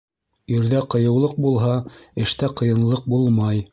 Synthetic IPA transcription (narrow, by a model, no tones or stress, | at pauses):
iɾðæqɤ̆jɤ̆wlˠɤq̚bulˠɦɑɘ̆ʃt̪æqɤ̆jɤ̆nlˠɤq̚bulˠmɑj